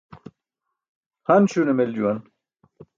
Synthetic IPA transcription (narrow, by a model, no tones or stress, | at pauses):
hɐnɕunemeld͡ʑuwɐn